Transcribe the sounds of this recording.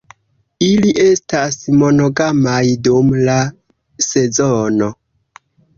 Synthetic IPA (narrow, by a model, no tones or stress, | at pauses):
iliʔe̞stasmo̞no̞ɡamajdumla | se̞zono